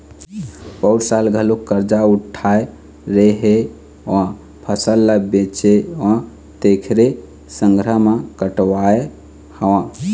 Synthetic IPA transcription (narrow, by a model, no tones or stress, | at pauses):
pəʊɽsalɡʱəlokːəɾd͡ʒauʈʰːae | ɾeɦe | ɔ̃ | pʰəsəlːəbet͡ʃeɔ̃ | t̪ekʰɾe | səŋɡɾəmakəʈwae | həwã